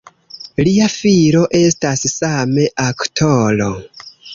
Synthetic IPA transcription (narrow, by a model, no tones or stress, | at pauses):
liafiɾo̞ʔe̞stassame̞ʔaktʰolo̰